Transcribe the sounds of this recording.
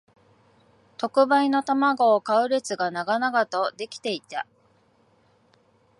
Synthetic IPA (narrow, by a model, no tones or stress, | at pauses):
t̪o̞kɯ̟baino̞t̪amaɡo̞ːkaɯ̟ɾet͡sɨɡanaɡanaɡat̪o̞d̪e̞kʲi̥t̪e̞it̪a